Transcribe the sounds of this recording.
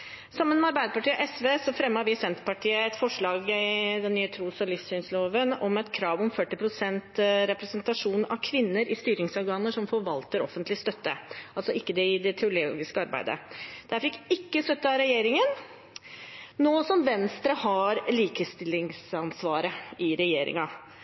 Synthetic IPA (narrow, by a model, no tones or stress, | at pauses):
sɑmːənmɛɑɾbæɪd̪əpɑʈiːɔʔɛsʋeːsɔfɾɛmːəɑɾʋɪsɛnt̪ə̥pɑʈʰiːəɛt̪fɔʂɭɑːɡd̪ɛnːyːət̪ʰɾuːsɔlɪfsyːnsloːʋənɔmɛt̪kʰɾɑːʋɔmfœʈːɪpʰɾʊsɛnt̪ɾɛpɾɛsənt̪ɑʂuːnɑ̰ʋkʰʋɪnːəɾɪst̪yːɾɪŋsɔɾɡɑːnəʂɔmfɔɾʋɑlt̪əɾɔ̰fənt̪lɪst̪œt̪ːə̰ʔɑlsɔɪkːəd̪ɛɪd̪ɛt̪ʰɛʊloːɡɪskəɑɾbæ̰ɪd̪ə̰d̪̥æɾfɪkːɪkːəst̪œt̪ːəɑɾɛjeːɾɪŋən | noːsɔmʋɛnst̪ɾəhɑɾliːkəst̪ɪlːɪŋsɑnsʋɑːɾəɪɾɛjeːɾɪ̰ŋɑ